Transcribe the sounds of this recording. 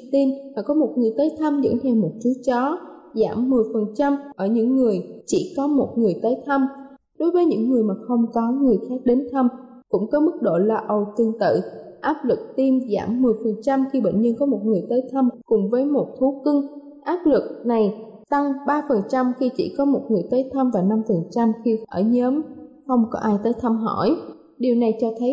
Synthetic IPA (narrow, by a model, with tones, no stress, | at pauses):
t̪i˧mmaː˨˩kɔ˨˦mo˨˩t̚ŋɨ˨˩əjt̪əː˨˦jt̪ʰə˧mzə̰˧˥nt̪ʰɛ˧wmo˨˩t̚t͡ɕu˨˦t̚t͡ɕɔ˨˦za̰ː˧˩mːɨ˨˩əjfə˨˩nt͡ɕa˧mʔəː˧˩ɲɨ̰˧˥ŋːɨ˨˩əjt͡ɕḭ˧˩kɔ˨˦mo˨˩t̚ŋɨ˨˩əjt̪əː˨˦jt̪ʰə˧m | ɗo˨˦jvəː˨˦jɲɨ̰˧˥ŋːɨ˨˩əjmaː˨˩xə˧wŋ͡mkɔ˨˦ŋɨ˨˩əjxaː˦˥k̚ɗe˨˦nt̪ʰə˧m | kʊ̰˧˥ŋ͡mkɔ˨˦mɨ˦˥k̚ɗo̰˧˨laː˨˩ʔə˨˩wt̪ɨ˧˩əŋt̪ɨ̰˧˨ʔaː˦˥p̚lɨ˨˩k̚t̪i˧mza̰ː˧˩mːɨ˨˩əjfə˨˩nt͡ɕa˧mxi˧ɓḛ˧˨ŋ̟ɲɨ˧nkɔ˨˦mo˨˩t̚ŋɨ˨˩əjt̪əː˨˦jt̪ʰə˧mkʊ˨˩ŋ͡mvəː˨˦jmo˨˩t̚t̪ʰu˨˦kɨ˧ŋ | ʔaː˦˥p̚lɨ˨˩k̚na˨˩jt̪a˧ŋɓaː˧fə˨˩nt͡ɕa˧mxi˧t͡ɕḭ˧˥kɔ˨˦mo˨˩t̚ŋɨ˨˩əjt̪əː˨˦jt̪ʰə˧mvaː˨˩na˧mfə˨˩nt͡ɕa˧mxi˧ʔəː˧˩ɲəː˨˦mxə˧wŋ͡mkɔ˨˦ʔaː˧jt̪əː˨˦jt̪ʰə˧mɦɔ̰˧˩j | ɗi˨˩əwna˨˩jt͡ɕɔ˧t̪ʰə˨˦j